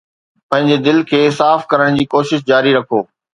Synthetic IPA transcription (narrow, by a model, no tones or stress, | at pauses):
pɐ̃ɦɪ̃ɲd͡ʑed̪ɪlkʰeːsaːfkɐɾəɽ̃d͡ʑiːkoːʃɪʃ̬d͡ʑaːɾiɾɐkʰoː